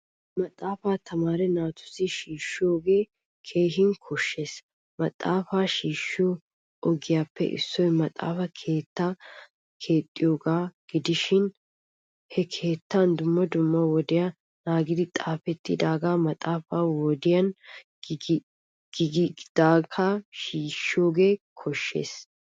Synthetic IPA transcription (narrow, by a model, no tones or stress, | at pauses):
mɐt̪ʼːaːfaːt̪ʰɐmaːɾɛnaːt̪ʊ̥sɪʃiːʃːɪjo̞ːɡe̞ː | kʰe̞ːɦɪŋkʰɔʃːe̞ːs | mɐt̪ʼːaːfaːʃiːʃːɪjo | ɔɡɪjaːpːɛ̰ʔɪ̰sːɔjmɐt̪ʼa̰ːfɐkʰe̞ːt̪ːaː | kʰe̞ːt̪ʼːɪjo̞ːɡaːɡ̥ɪd̪ɪʃɪn | hɛkʰe̞ːt̪ːand̪ʊmːɐd̪ʊmːɐwɔd̪ɪja | naːɡɪd̪ɪt̪ʼaːfɛt̪ːɪd̪aːɡaːmɐt̪ʼaːfaːwɔd̪ɪjɐn | ɡ̥ɪɡɪd̪̥aːɡaːʃiːʃoːɡe̞ːkʰɔʃːe̞̰ːs